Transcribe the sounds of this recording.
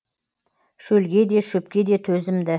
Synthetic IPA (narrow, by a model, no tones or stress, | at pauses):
ʃɵlɡʲe̞d̪e̞ʃʏp̚kʲe̞d̪e̞t̪ʰɵzɪmd̪ɪ